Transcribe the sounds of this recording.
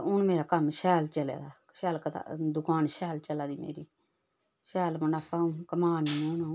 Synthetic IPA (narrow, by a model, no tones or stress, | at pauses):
ʊnmeːɾaːkəmʃɛːlt͡ʃəlḛːd̪aː | ʃɛːlkət̪ʰa̰d̪ʊkaːnʃɛːlt͡ʃəlaːd̪iːmḛːɾiː | ʃɛːlmʊnaːpʰaːkəmaːnimoːna